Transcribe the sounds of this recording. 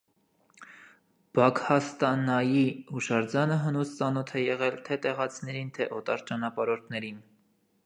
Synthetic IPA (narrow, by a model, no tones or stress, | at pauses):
b̥ɑkhɑst̪ɑnɑjihuʃɑɾd͡zɑnəɦənust͡sɑnɔt̪ʰɛjɛʁɛlt̪ʰɛt̪ɛʁɑt͡sʰnɛɾint̪ʰɛʔɔt̪ɑɾt͡ʃɑnɑpɑɾɔɾt̪ʰnɛɾin